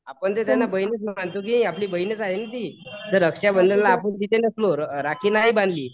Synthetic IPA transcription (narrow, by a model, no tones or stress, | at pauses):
apəɳt̪et̪janːabəjnet͡sm̤aɳt̪ok̬iiapliːbəjinət͡saɦenət̪it̪əɾəkʂjabənd̪ənlaːpənt̪it̪ʰenəsloɾɾakʰiːnaɦibãnd̪liː